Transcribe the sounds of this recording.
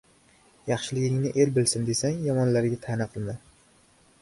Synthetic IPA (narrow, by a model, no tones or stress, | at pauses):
jɑχʃɪlɪɡʲɪŋnɪʔe̞lbɪlsɪnd̪e̞saŋjɒmɒnlaɾɡʲat̪ʰanaqʰɨlˠman